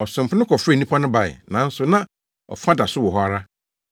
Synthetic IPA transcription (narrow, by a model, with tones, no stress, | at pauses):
ɔ˨sɪ̃˨m˨pʰʊ˦nʊ̃˦kʰɔ˨fɾɛ˦˨nĩ˦pʰɔ˦nʊ̃˦ba˨ɪ̰˨nã˨˦n̩˦sʊ˨nã˦ | ɔ̰˨fã˦da˨sʊ˦wɔ˨ɦɔ˦a˨ɾa˦